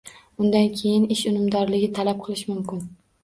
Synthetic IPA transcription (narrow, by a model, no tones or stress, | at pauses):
ʊnd̪ankʲʰe̞jɪnɪʃʊnɪmd̪ɒɾlɪɡʲɪt̪ʰalap̚qʰɨlˠɪʃmʊmkʲɪn